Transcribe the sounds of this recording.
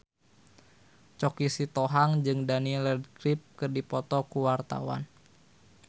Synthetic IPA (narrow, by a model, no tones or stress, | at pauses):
t͡ʃɔkisit̪ɔɦaŋd͡ʒɨŋdanilədkɾip̚kɨrdipɔt̪ɔkuwart̪a̰wa̰n